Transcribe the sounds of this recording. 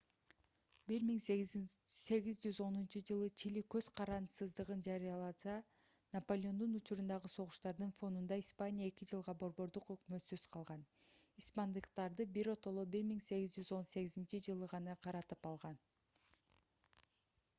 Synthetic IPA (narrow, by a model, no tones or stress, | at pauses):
biɾmiŋ | se̞ɡizd͡ʒyzo̞nunt͡ʃud͡ʒɯlˠɯt͡ʃʰilikø̞zqʰɑɾɑnsɯzd̪ɯʁɯnd͡ʒɑɾijɑlˠɑsɑ | nɐpo̞lʲo̞nd̪unut͡ʃuɾund̪ɑʁɯso̞ʁuʃt̪ɑɾd̪ɯnfo̞nd̪und̪ɑispanʲijae̞kid͡ʒɯlˠʁɑbo̞ɾbo̞ɾd̪uqø̞kmø̞t̪søz̥qʰɑlˠʁɑnispand̪ɯqt̪ɑɾd̪ɯbiɾo̞t̪o̞lˠobiɾmiŋse̞ɣizd͡ʒyzo̞nse̞ɣizint͡ʃid͡ʒɯlˠɯʁɑnɑqʰɑɾɑt̪ɯpɑlˠʁɑn